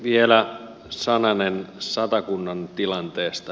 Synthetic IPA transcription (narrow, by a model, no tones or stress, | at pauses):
ʋielæ | sɑnɑnensɑt̪ɑkunːɑnt̪ilɑnt̪eːst̪ɑ